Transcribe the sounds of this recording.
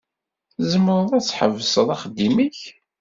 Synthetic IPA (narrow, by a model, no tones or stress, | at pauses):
zəmːəɾˤəðˤæt͡sːħəvːəsəðˤɑχəd̪ːimiç